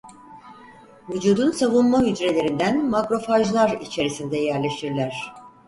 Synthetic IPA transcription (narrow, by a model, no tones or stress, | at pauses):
vud͡ʒuːd̪unsavunmaɦyd͡ʒɾe̞lʲe̞ɾind̪ænmakɾo̞faʒlˠaɾit͡ʃʰe̞ɾisind̪ɛjæɾlʲe̞ʃtiɾlʲæɾ̝̥